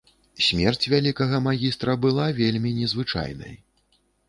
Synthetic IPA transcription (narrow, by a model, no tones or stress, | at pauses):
sʲmʲɛrt͡sʲvʲalʲikɐɣɐmaɣʲist̪ɾɐbɨlˠavʲelʲmʲinʲɛzvɨt͡ʂa̰jnɐ̰j